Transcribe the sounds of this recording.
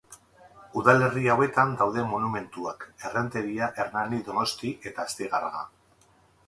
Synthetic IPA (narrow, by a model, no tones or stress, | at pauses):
uðale̞riawe̞t̪and̪awðe̞monume̞nt̪uake̞rent̪e̞ɾiaʔe̞ɾnaniðo̞no̞st̪iʔe̞t̪aːst̪iɣarɣa̰